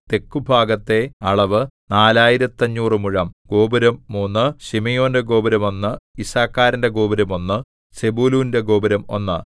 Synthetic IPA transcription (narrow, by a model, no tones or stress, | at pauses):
t̪e̞kːubʱaːɡɐt̪ːe̞ɐɭɐʋɨnaːlaːjiɾɐt̪ːɐɲːuːrɨmuɻɐmɡ̥o̞ːbɐɾɐmːuːnːɨɕimejo̞ːnde̞ɡo̞ːbɐɾɐmo̞nːɨisaːkːaːɾɐnde̞ɡo̞ːbɐɾɐmo̞nːɨ | sebuːluːnde̞ɡo̞ːbɐɾɐmo̞̰nːɨ